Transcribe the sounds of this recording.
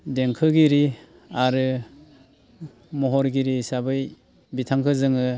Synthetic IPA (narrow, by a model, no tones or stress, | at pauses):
deŋkʰɯɡiɾi | aɾɯ | mɔɦɔɾɡiɾisabɯj | bitʰaŋkʰɯzɯŋɯ